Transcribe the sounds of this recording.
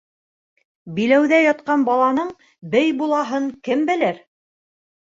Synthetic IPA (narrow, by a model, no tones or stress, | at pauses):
bilæwðæjɑt̪̚qɑnbɑlˠɑnɤɴ | bɘjbulˠɑɦɤɴkɘmbɘ̆lɘɾ